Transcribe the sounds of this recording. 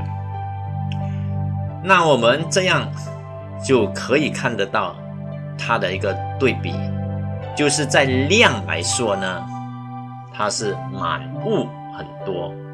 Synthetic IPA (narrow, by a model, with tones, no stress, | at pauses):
na˥˩wɔ˨˩mə˦nʈ͡ʂɤ˥˧jɑ˥˧ŋ | t͡ɕjo˥˩ʊkʰə˧˦˥i˨˩kʰa˥˩nd̪ə˨˧t̪ɑ˥˩ʊ | t̪ʰa˥d̪ə˨i˧˥ɡə˧t̪we˥˩ɪpḭ˨˩t͡ɕjo˥˧ʊʂɻ̩˥˧t͡sa˥˧ɪljɑ˥˩ŋla̰˧˥ɪswɔ˥nə˨ | t̪ʰa˥ʂɻ̩˥˩ma̰˨˩nu˥˩ | xə˨˩nt̪wɔ˥